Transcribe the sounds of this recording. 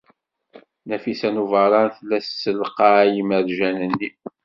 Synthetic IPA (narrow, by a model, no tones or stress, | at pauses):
næfisænuvəɾˤɑnθlːæsːəlqɑjiməɾʒænənːi